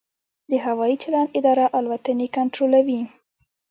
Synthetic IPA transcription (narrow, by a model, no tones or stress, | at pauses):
d̪əɦawɑjit͡ʃɪlɑnɪd̪ɑɾaʔalwat̪ənekaɳʈɾolawi